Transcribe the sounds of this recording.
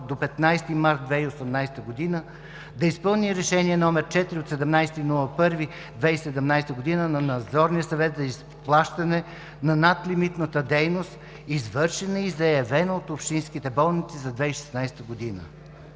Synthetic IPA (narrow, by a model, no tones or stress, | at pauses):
d̪opɛt̪najst̪imaɾt̪̚d̪vɛiosɛmnajst̪əɡod̪inə | d̪ɐispɤlˠnʲiɾɛʃɛniɛnɔmɛɾt͡ʃɛt̪ɾiot̪sɛd̪ɛmnajsɛinulˠəpɤɾvi | d̪vɛisɛd̪ɛmnajst̪əɡod̪inənɐnɐd̪zɔɾnijəsɐvɛt̪zɐis | plˠaʃt̪ɐnɛ | nɐnat̪limit̪nət̪əd̪ɛjnost̪ | izvɤɾʃɛnəizɐjɐvɛnɐot̪opʃt̪inskit̪ɛbɔlˠnit̪sizɐd̪vɛiʃɛ̥snajsɛ̥t̪əɡod̪inə̰